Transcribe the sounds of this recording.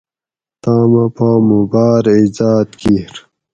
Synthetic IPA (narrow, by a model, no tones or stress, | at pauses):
t̪aːmapaːmubaːɾizaːt̪kiɾ